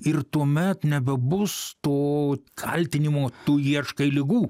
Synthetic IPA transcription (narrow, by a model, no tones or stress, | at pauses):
ɪrt̪uɔmʲɛt̪nʲɛbʲɛbʊst̪oːkʰɐ̰lʲt̪ʲɪnʲɪmoːt̪uːjiɛʃkɐɪlʲɪɡuː